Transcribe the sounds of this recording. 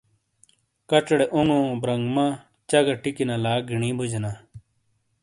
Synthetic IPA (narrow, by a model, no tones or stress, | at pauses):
kɐt͡ɕɽeʔuŋɡõːbɾɐŋɡma | t͡ɕɐɡɐʈikinalaːɡʱiɳĩːbʱud͡ʑna